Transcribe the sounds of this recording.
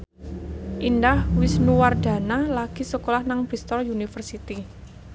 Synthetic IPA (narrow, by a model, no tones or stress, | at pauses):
ʔindahwisnuward̥ä̤nalaɡ̥i̤səkolahnaŋb̥ɾist̪ɔrjunifərsit̪i